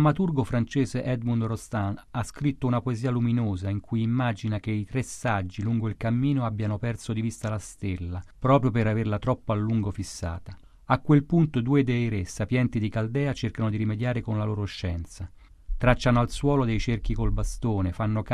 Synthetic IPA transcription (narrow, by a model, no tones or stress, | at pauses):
mat̪urɡofɾant͡ʃeːzeʔɛd̪mund̪rost̪anaskɾit̪ːounapoeziːaluminoːzaiŋkujimːaːd͡ʒinakeit̪ɾesːad͡ʒːiluŋɡoilkamːiːnoabːjanopɛrsod̪ivist̪alast̪elːapɾɔːpɾjopeɾaverlat̪ɾɔpːoalːuŋɡofisːa̰ːt̪a | akːwelpunt̪od̪uːed̪ejɾesːapjɛnt̪id̪ikald̪ɛːat͡ʃerkanod̪iɾimed̪jaːɾekonlaloːɾoʃːɛnt̪sa | t̪ɾat͡ʃːanoalswɔːlod̪ejt͡ʃerk̟ikolbast̪oːnefanːok